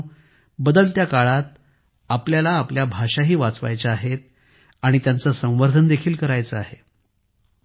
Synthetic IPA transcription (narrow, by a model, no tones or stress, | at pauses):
bəd̪əlt̪jakaɭat̪̚ | apljalaːpljabʱaʂaɦiːʋat͡sʋa̰jt͡ɕaaɦet̪̚ | aɽ̃it̪jant͡səsə̃w̃ʋəɾd̪ʱənd̪ekʰiːlkəɾajt͡səaɦe